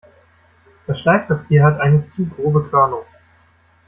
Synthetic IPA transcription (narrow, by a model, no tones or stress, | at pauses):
d̥asʃlaɪk̚pʰapʰiːɐɦatʔaɪnət͡suːɡʁoːbəkʰœɐnʊŋ